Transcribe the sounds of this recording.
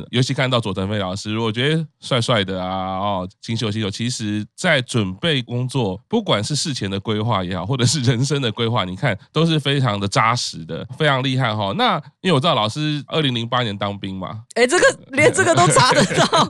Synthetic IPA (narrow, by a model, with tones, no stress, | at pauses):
jo˧˥ʊɕi˧˥kʰa˥˧nt̪ɑ˥ʊt͡swɔ˨˩ə˧˥nfe˥˩ɪlɑ˨˩ʊʂɻ̩˥ɻu˧˥ɔ˨˩t͡ɕɥɛ˧˥də˧˩swa˥˧ɪswa˥˩ɪd̪ə˩a˨ɔ˨˩t͡ɕʰi˧˥ŋɕjo˨˩ʊɕi˧ŋɕjo˨˩ʊt͡ɕʰi˧˥ʂɻ̩˧˥t͡sa˥˩ɪʈ͡ʂwə˨˩npe˥˩ɪkʊ˥ŋt͡swɔ˥˨˩pu˥˩kwa˨˩nʂɻ̩˥˧ʂɻ̩˥˩t͡ɕʰjɛ˧˥nd̪ə˨kwe˥ɪxwa̰˥˩jɛ˧˥xɑ˨˩ʊxwɔ˥˩ʈ͡ʂɤ˨˩ʂɻ̩˥˩ɻə˧˦nʂə˥ŋd̪ə˨kwe˥ɪxwa̰˥˩ni˨˩kʰa˥˨nt̪o˥ʊʂ̬ɻ̩˥˩fe˥ɪʈ͡ʂʰɑ˧˥ŋd̪ə˨ʈ͡ʂa˥ʂɻ̩˨˧˦d̪ə̰˨fe˥ɪʈ͡ʂʰɑ˧˥ŋli˥˧xa˥˩nxɔ˨˩na˥˧i˧˥˨lɑ˨˩ʊʂɻ̩˥ʔə˥˩li˧˥ŋli˧˥ŋpa˥njɛ˧˦nt̪ɑ˥ŋpi˥ŋma̰˨e˥˩ɪʈ͡ʂə˥˩ɡə˨˩ljɛ˧˦nt͡sə˥˩ɡə˨˩t̪o˥ʈ͡ʂʰa˥d̪ə˨tɑ˥˩